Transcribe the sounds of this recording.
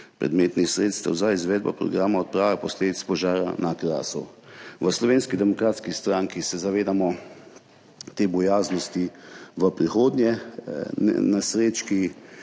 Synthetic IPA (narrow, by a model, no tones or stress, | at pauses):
pɾɛ̰d̪meːt̪nixsɾeːt̪st̪əwzaizʋɛːd̪̚ba̰pɾɔ̰ɡɾaːmaɔt̪̚pɾaːʋapɔsleːd̪it̪spɔʒaːɾanakla̰ːsɔ̰ʋəslɔʋeːnskid̪ɛmɔkɾaːt̪skist̪ɾaŋkisɛzaʋeːd̪amɔ | t̪eːbɔjaːznɔst̪iʋəpɾixoːd̪nʲjɛ | nasɾeːt͡ʃki